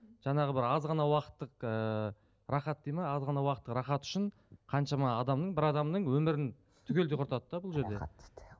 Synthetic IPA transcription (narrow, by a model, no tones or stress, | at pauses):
ʒ̥ɑɴɑʁəbɪɾɑzʁɑnɑwɑqə̥t̪ːəqə | rɑχɑt̪̚d̪ejmɑɑzʁɑnɑwɑqət̪ːəqɾɑχɑt̪ʏ̥ʃɪɴ | qʰɑnʃɑmɑːd̪ɑmnəɴbɪɾɑd̪ɑmnəɴwɵmɪɾɪn | t̪ʰʏkʲeleqʰʊɾt̪ɑd̪əd̪ɑbʊlˠʒe̞ɾd̪e̞